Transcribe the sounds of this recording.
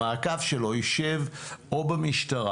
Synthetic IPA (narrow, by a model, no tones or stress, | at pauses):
aːkavʃelo̞jiʃevobamiʃtaʁa